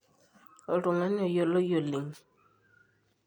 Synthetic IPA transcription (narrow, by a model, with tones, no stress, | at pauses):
o˨ɾʊ˨ŋa˦nɪ˦ɔ˨jo˨lo˦jo˨li˨ŋ